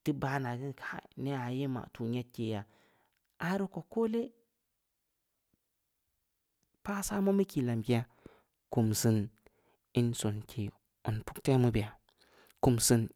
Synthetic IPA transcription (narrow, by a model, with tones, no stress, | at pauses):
ti˦ba˦na˨ɡi˦nkʰa˦ne˦a˨je˦ma̰˨tu˨ɲe˦t̚ke˨ja˨ | a˨ɾo˦ko˨ko˦le˦ | pa˦sa˦ma˦mi˦ki˨la˨mki˦ja˦ | ku˨msi˦n | i˦nso˨nkʰi˨ | u˨npu̥˦kte˦mu˦bi˨ja˨ | ku˨msi˦n